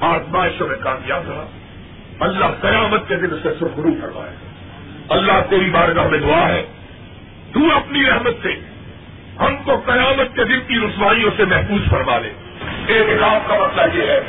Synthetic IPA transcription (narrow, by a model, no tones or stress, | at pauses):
aːsmaːɪʃõmẽkaːmjaːd̪ɐɦa̰ː | ɐlːaɦqɐjaːmət̪̚ked̪ɪnʊsesʊbɡʊɾuːfɐɾma̰ːḛː | ɐlːaɦt̪eːɾibaːɾɡaɦɐmẽd̪ʊaːɦɛː | t̪uɐpniɾɛɦmət̪se | hɐmkoqɐjaːmət̪̚ked̪ɪnkiɾʊsʋaːijõsemɛɦfuːzfɐɾmaːlḛː | eːkɾaːmkamɐt̪lajeːɦɛː